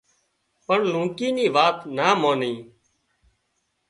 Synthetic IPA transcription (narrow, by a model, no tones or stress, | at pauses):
pəɳlũːkiːniːʋaːt̪naːmoːnĩː